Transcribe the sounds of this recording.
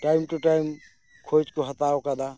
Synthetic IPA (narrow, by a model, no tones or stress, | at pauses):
ʈajmʈuʈajm | kʰod͡ʒkoɦət̪aokad̪a